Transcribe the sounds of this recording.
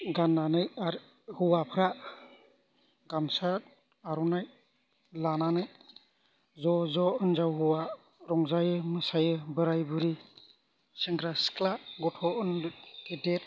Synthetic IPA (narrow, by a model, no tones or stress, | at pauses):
ɡanːanɯjaɾ | huwapʰɯɾa | ɡ̥amsa | aɾɔnaj | lananɯj | zɔzɔɯnzawɦuwa | ɾɔŋzajɯmɯsajɯbɯɾajbɯɾi | siŋɡɾaskʰlaɡɔtʰɔʔɯnkidet̚